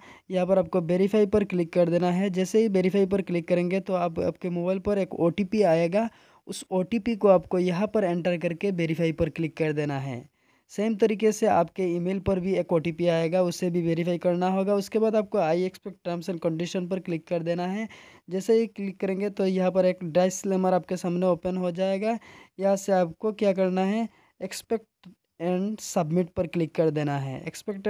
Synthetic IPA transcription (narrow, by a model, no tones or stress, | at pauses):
jɐɦãpɐɾaːp̚koʋeːɾɪfʰaːipɐɾklɪkːɐɾd̪eːnaɦɛd͡ʒɛːseɦiʋeːɾɪfʰaːip̬ɐɾklɪkːɐɾẽːŋɡet̪oaːpa̰ːp̚kemoːbaːɪlpɐɾeːkoːʈiːpiaːeːɡa | ʊsoːʈiːpikoaːpkojɐɦãpɐɾɛ̃ːɳʈəɾkɐɾkeʋeːɾɪfʰaːipɐɾklɪkːɐɾd̪eːnaɦɛ̰ː | seːmt̪ɐɾiːkesea̰ːp̚keiːmeːlpɐɾbʱieːkoːʈipiaːeːɡaʊsːebʱiʋeːɾɪfʰaːikɐɾnaɦoːɡaʊskebaːd̪aːp̚koaːiekspɛk̚ʈ̚ʈamsɛ̃ɳkə̃ɳɖɪʃənpɐɾklɪkːɐɾd̪eːnaɦɛd͡ʒɛːseiklɪkːɐɾẽːŋɡet̪ojɐɦãp̬ɐɾeːkɖɾaːɪsːleːməɾaːp̚kesaːmneoːpənɦod͡ʒaːeːɡajɐaseaːp̚kokjaːk̬ɐɾnaɦɛ | ekspɛk̚ʈ | ɛ̃ːɳɖsɐbmɪʈ̚pɐɾklɪkːɐɾd̪eːnaɦɛ̰ḛkspɛkʈ